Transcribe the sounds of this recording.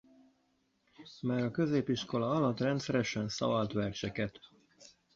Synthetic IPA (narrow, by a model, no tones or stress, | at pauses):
maːɾɒkø̞zeːpiʃko̞lɒɒlɒt̪ːrɛnt̪sɛɾɛʃɛnsɒ̰vɒlt̪ʋɛrt͡ʃɛkɛt̪